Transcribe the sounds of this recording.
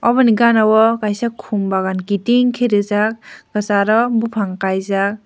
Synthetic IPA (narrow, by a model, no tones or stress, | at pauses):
ɔbɔniɡanawɔkajsakʰumbaɡankitiŋkʰeɾɯzak̚ɡasaɾɔbupʰaŋkajzak̚